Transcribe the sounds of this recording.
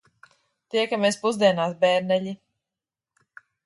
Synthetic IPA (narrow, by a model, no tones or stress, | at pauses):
t̪iɛkamɛːspuzd̪iɛnaːs̬bɛːɾnɛʎi